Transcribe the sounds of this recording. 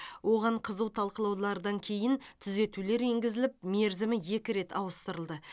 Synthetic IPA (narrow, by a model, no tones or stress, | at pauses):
wo̞ʁɑɴqʰəzəwt̪ʰɑlˠqəlˠɑwlˠɑɾəd̪ɑŋkʲʰe̞jɪnt̪ʰʏze̞t̪ule̞ɾe̞ŋɡʲɪzɪlɪp̚me̞ɾzɪmɪje̞kʲɪɾe̞t̪ʰɑwəst̪əɾəlˠd̪ə